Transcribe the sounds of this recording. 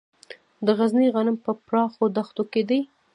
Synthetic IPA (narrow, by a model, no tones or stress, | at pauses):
d̪əɣazniɣanɪmpəpɾɑxod̪axt̪oked̪əj